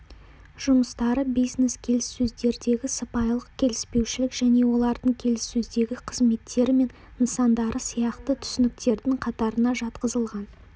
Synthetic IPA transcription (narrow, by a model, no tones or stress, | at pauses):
ʒ̥ʊməst̪ɑɾəbijzne̞skʲʰe̞lɪsːɵzd̪e̞ɾd̪e̞ɡʲɪsəpɑjlˠəq̚kʲʰe̞lɪspe̞wʃɪlɪkʒ̥æne̞wo̞lˠɑɾd̪əɴkʲʰe̞lɪsːɵzd̪e̞ɡʲɪqʰəzme̞t̪ːe̞ɾɪme̞n | ənsɑnd̪ɑɾʔəsijɑqt̪ət̪ʰʏ̥sʏnɪk̚t̪e̞ɾd̪ɪŋqʰɑt̪ɑɾənɑʒɑt̪qəzəlˠʁɑn